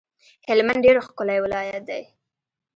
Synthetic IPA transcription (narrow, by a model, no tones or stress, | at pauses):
hɪlmanɖeɾoxkʊlajwɪlɑjat̪̚d̪aj